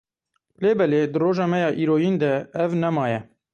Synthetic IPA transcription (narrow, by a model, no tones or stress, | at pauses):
leːbɛleːd̪ɨroːʒɑːmɛjɑːʔiːɾoːjiːnd̪ɛɛvnɛmɑːjɛ